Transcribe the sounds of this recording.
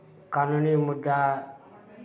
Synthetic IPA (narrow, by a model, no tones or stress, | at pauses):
kanunimud̪ːa